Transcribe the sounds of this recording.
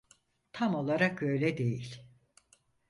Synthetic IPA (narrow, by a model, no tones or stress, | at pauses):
t̪ʰamo̞lˠaɾakø̞jlʲɛd̪e̞jilʲ